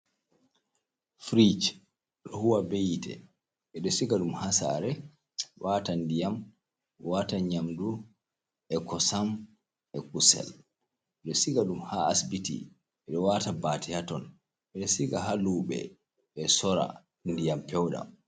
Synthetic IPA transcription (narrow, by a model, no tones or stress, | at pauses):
fɾit͡ʃ | ɗɔhuwabejitʰɛ̰ | ɛɗɔsiɡaɗumhasa̰ɾɛ | watandijam | wataɲamdu | ɛkɔsam | ɛkusɛ̰l | ɛɗɔsiɡaɗumhaːsbitḭ | ɛɗɔwatabatihatɔn | ɛɗɔsiɡaɦaluːɓɛ̰ | ɓɛsɔɾa̰ | ndijampɛwɗa̰